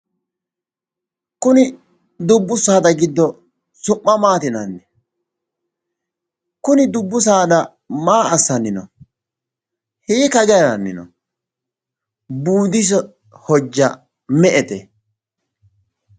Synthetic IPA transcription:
kʊnɪ | d̪ʊbːʊsaːd̪ɐɡɪd̪ːɔ | sʊpʼːɐmaːt̪ɪnɐnːɛ | kʊnɪd̪ʊbːʊs̬aːd̪ɐ | maːʔɐsːɐnːɪnɔ̰ | hiːkɐd͡ʒɐjɾɐnːɪnɔ̰ | buːd̪ɪs̬ɔ | hɔd͡ʒːɐ | mɛʔɛt̪ɛ

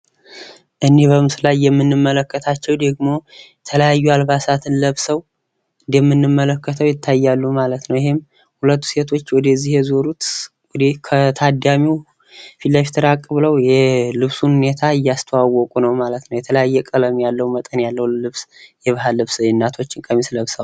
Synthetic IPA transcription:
ʔɨnːe̞βəmɨslajːɛmːɨnːɨmːələkːət̪ʰat͡ʃːɛwd̪əɡmo̞jɛt̪ʰələjajːualβasat̪ʰɨnləβsəw | ɨnd̪jɛmːɨnːɨmːələkːət̪ʰəwjɪt̪ʰːajːalːumalət̪nəwjɪhɪm | hulət̪ːu̥se̞t̪ʰo̞t͡ʃːwɔd̪əzːihjɛzoɾut̪ | wɔd̪ekʰət̪ʰad̪amiw | filːaʃt̪ʰəɾakʼːɨβləwjɛlɨβsunhune̞t̪ʰaɨjːast̪ʰəwawːɔkʼunəwmalət̪nəwjɛt̪ʰələjajːɛkʼələmjalːəwmət̪ʼənjalːəwlɨβsjɛβɨɦalɨβsɪnːat̪ʰo̞t͡ʃːɪŋkʼəmisləβsaw

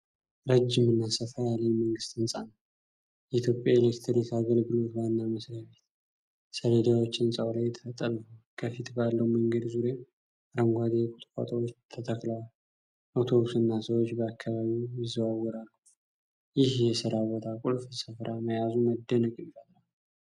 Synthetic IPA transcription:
ɾəd͡ʒːɪmɨnːasəfɾajaləjməŋɡɨst̪ɨnsʼanəw | jɛit̪ʰjo̞pʼjaelekt̪ʰɾnet̪aɡəlɡɨlo̞t̪lajɨnːaməsɾaβet̪ | səled̪awot͡ʃːɨnsʼawlajːɛt̪ʰə̥fət̪ʼːələkʰəfit̪balːəwməŋɡəd̪zuɾje | ɾəŋɡʷad̪ejkʼut̪ʼkʼa̰t̪ʰʼəwot͡ʃːt̪ʰət̪ʰəkʼlal | ʔot̪ʰo̞βusɨnːasəwot͡ʃːbəakʰːaβaβijɪzəwawːɔɾalːu | jɪhjɛsɨɾaβət̪ʰakʼulfsəfɾʔaməjazuməd̪ːənəkʼmfət̪ʼla

